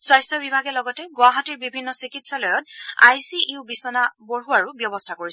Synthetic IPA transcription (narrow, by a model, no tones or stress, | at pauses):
swajstɔbibʱaɡɛlɔɡɔtɛɡʊaɦɔtiɹbibʱinːɔsikitsalɔjɔt̚ajsiʔubisɔnaboɹuaɹubjɔbɔstʰakoɹis